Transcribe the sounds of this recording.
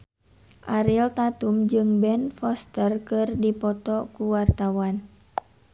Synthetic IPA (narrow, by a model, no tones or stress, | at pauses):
ʔaɾilt̪at̪umd͡ʒɨŋbɛnfɔst̪ərkɨrdipɔt̪ɔkuwart̪awan